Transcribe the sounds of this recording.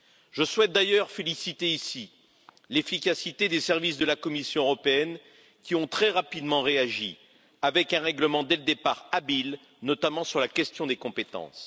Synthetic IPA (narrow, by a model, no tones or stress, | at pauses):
ʒ̥əswɛt̪̚d̪ajœʁfelisit̪eisi | lefikʲasit̪ed̪esɛʁvisd̪əlakɔmisjɔ̃øʁɔpeɛn | kʲiɔ̃t̪χɛʁapid̪mɑ̃ʁeaʒi | avɛkɛ̃ʁɛɡləmɑ̃d̪ɛləd̪epaʁabil | nɔt̪amɑ̃syʁlakʲɛst̪jɔ̃d̪ekɔ̃pet̪ɑ̰̃s